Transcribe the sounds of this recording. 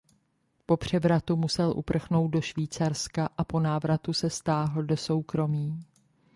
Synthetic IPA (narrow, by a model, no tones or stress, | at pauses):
po̞pr̝̥ɛvɾat̪umusɛlʔṵpr̩xno̞wt̪̚do̞ʃviːt͡saɾskaʔapo̞naːvɾat̪usɛst̪aːɦl̩do̞so̞wkɾo̞miː